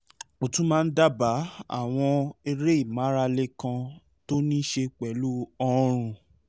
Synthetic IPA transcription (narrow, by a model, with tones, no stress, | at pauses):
o˨tũ˦mãː˦˧n̩˦da˦ba˨˦a̰˦˨w̃ɔ̃˧e˧ɾe˦i˦˨mã˨˦ɾa˧le˦kã˧ | to˦nĩ˦ʃe˧k͡pɛ˨˦lu˦ɔ˧ɾ̃ũ˧˨